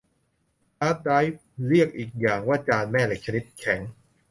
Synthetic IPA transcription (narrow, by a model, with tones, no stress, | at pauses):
aː˦˥t̪̚da˦˥jf̚ɾi˥˩ək̚ʔiː˨˩k̚jaː˨˩ŋwaː˥˩t͡ɕaː˧nmɛː˥˩le˨˩k̚t͡ɕʰa˧ni˦˥t̪̚kʰɛ˩˦ŋ